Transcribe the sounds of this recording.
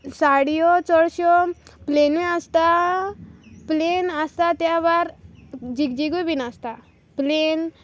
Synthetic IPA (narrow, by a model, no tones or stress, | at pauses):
saɽijɔt͡sɔɽɕɔpleniəst̪a | plenəst̪at̪jabaɾd͡ʑiɡd͡ʑiɡubinast̪a | plen